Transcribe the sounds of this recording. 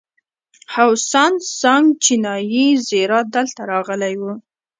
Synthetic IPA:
hawsɑnsɑŋɡt͡ʃinɑjizeɾɑd̪əlt̪aɾɑɣəlajwu

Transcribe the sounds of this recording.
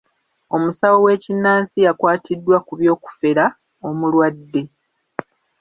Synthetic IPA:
o̞musawo̞we̞ːcinːaːnsijakwaːtʰidːwakuβjo̞ːku̥fe̞ɾa | o̞mulwadːe̞

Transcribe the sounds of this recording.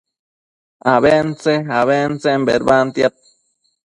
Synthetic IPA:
aβent͡seɦaβent͡sembeɾbant̪jat̪̚

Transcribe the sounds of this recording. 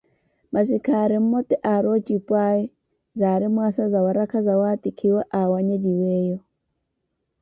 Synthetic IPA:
masikʰaɾɛm̩ːɔt̪ɛʔaɾɔt͡ʃipai | zaɾimwasazawaɾakazawat̪ikʰiwaʔawaɲɛd͡ʒiwɛjɔ

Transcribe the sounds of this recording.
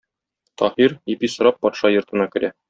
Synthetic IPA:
t̪ɒhiɾipisŏɾɑpːɒt̪ʃɑjŏɾt̪ɤ̆nɑkɘ̆ɾæ

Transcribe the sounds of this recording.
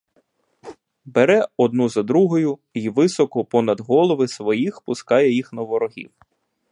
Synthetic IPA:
beɾɛɔd̪̚nuzɐd̪ɾuɦɔjʊiʋɪsɔkɔpɔnɐd̪ɦɔlˠɔʋɪsʋɔjixpʊskɑjɛjixnɔʋɔɾɔɦʲḭw

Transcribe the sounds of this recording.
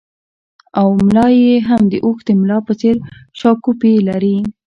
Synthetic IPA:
awmlɑjeɦamd̪əʔoxd̪emlɑpət͡seɾʃɑkupelaɾi

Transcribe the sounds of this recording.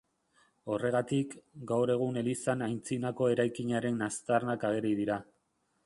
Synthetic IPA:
o̞re̞ɣ̞at̪ikɡawɾe̞ɣ̞une̞lisanajnt͡sinako̞e̞ɾajkiɲaɾe̞nːast̪arnakaɣ̞e̞ɾiðiɾa

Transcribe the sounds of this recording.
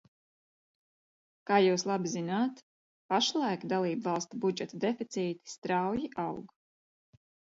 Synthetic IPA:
kaːjuːslˠabizinaːt̪ | paʃlˠajkd̪alˠiːbvɑlˠst̪ubud͡ʒɛt̪ad̪efit̪siːt̪i̥st̪ɾawjjiʔawɡu

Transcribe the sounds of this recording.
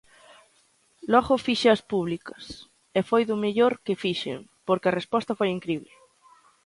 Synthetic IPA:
lɔɣʊfiʃeɐspuβ̞likɐ̥s | efojðʊmeʎoɾkɪfiʃḛŋpoɾkɪɐrespɔst̪ɐfojiŋkɾiβlɪ

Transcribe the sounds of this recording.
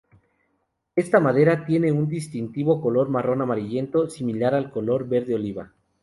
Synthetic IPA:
e̞st̪amað̞e̞ɾat̪je̞ne̞und̪ist̪int̪iβo̞ko̞lo̞ɾmaro̞namaɾiʝe̞nt̪o̞similaɾalko̞lo̞ɾbe̞ɾðeo̞liβa

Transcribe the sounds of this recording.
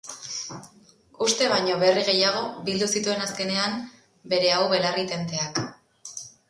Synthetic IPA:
ust̪e̞β̞aɲo̞βe̞riɣ̞e̞jaɣ̞o̞βild̪usit̪ue̞naske̞ne̞am | be̞ɾe̞awβe̞larit̪e̞nt̪e̞ak

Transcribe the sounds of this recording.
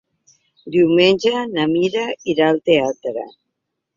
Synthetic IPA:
d̪iwmenʲd͡ʒanamiɾaiɾaːlt̪eat̪ɾa̰

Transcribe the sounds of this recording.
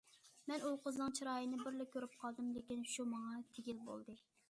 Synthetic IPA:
mɛnoqəznɨŋt͡ʃʰiɾɑːjɨnɨbɪɾlɛkʲʰːøɾyp̚qʰɑlˠd̪ɨmlekʲinʃumɑŋɑt̪ʰeɡʲilbo̰lˠd̪ɨ

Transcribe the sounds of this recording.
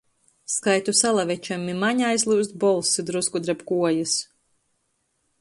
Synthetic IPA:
skajt̪usalˠavʲɛt͡ʃamːimaɲajzlˠuːst̪̚bɔlˠsid̪ɾuskud̪ɾapkuɔjɨs

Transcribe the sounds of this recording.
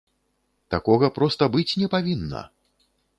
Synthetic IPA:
t̪akɔɣɐpɾɔst̪ɐbɨt͡sʲnʲɛpavʲinːɐ̰

